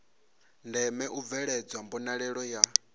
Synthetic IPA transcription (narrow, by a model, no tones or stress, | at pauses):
ndɛmɛʔuvɛɺɛd͡zwambɔnaɺɛɺɔja